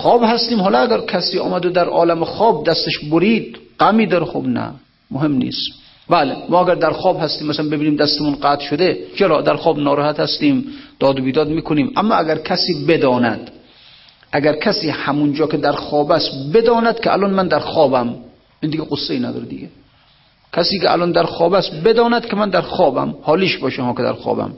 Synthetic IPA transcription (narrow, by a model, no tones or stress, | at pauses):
χɒːbhæst̪iːmhɒːlɒæɡæɾkʰæsiːɒ̰ːmæd̪od̪æɾʔɒ̰ːlæmexɒːb̚d̪æst̪eʃboɾiːd̪̚ɢæmiːd̪ɒːɾexo̰bnæ̰ | moɦemnḭːs | bælemɒːæɡæɾd̪æɾxɒːbhæst̪iːmːæsalænbe̞biːniːmd̪æst̪emunqæt̪ʃod̪et͡ʃʰeɾɒːd̪æɾxɒːbnɒːɾɔːhæt̪hæst̪iːmd̪̥ɒːd̪obiːd̪ɒːd̪miːkʰoniːmʔæmːɒːæɡæɾkʲʰæsiːbed̪ɒːnæ̰d̪ | ʔæɡæɾkʲʰæsiːhæmund͡ʒɒːkʲʰed̪æɾxɒːbæst̪bed̪ɒːnæd̪kʲʰeʔæ̰lɔnmænd̪æɾxɒːbæm | ʔind̪iɡɛqosːeiːnæd̪ɒ̰ːɾed̪ḭɡʲe | kʰæsiːkeʔæ̰lɔːnd̪æɾxɒːbæst̪bed̪ɒːnæd̪kʰʲemænd̪æɾxɒːbæ̰mhɒːliːʃbɒːʃehɒːkʲʰed̪æ̰ɾxɒ̰ːbæ̰m